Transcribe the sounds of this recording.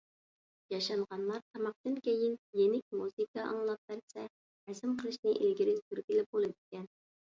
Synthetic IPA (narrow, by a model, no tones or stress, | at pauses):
jɑʃɑɴʁɑnlˠɑɾt̪ʰɑmɑq̚t̪ɨnkʲejɪnjenɪk̚ʲmuzɨkɑʔɑ̰ŋlˠɑp̚bæɾsɛ | æzɪmqʰəlˠɨʃnɨʔelɡʲiɾɪzt̪yɾkʲilɪp̚bolˠɨd̪ɪkʲɛn